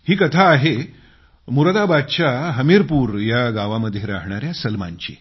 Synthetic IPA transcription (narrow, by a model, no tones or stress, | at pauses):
hiːkət̪ʰaːɦe | muɾd̪abad̪̚t͡ɕjaɦəmiɾpuːɾjaɡaʋaməd̪ʱːjeɾaɦɳaɾjasəlma̰ɲt͡ɕḭ